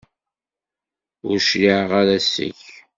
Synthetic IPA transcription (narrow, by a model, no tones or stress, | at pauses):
ʊɾʃliʕʁaɾæsə̰ç